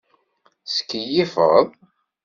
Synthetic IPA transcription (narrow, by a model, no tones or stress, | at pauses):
sə̥kːəjifə̰ʁəðˤ